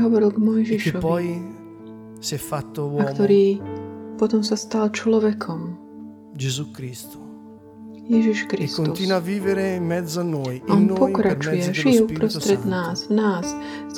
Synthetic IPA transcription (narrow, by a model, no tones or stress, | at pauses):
ɦɔʋɔɾilˠɡmɔjʒiʃɔʋɔj | sjɛfːat̪ːowaɔkt̪ɔɾiːpɔt̪ɔmsast̪alt͡ʃlɔʋɛkʰɔm | d͡ʒezukɾist̪o̥ | jɛʒiʃkɾisktːonut̪isnuaviːveɾeimːɛd̪zːanːojaɔnpɔkɾat͡ʃujɛʒijɛupɾɔst̪ɾɛt̪naːzvnaːs